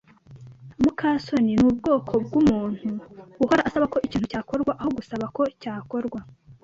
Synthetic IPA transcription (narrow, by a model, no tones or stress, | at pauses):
mukʰaso̞ninuːbɡo̞ːkʰo̞b̚ɡumuːn̥huɡuhoɾaʔasaβakoʔiciːnhucaːko̞ɾɡwaʔaho̞ɡusaβako̞caːko̞ɾɡwa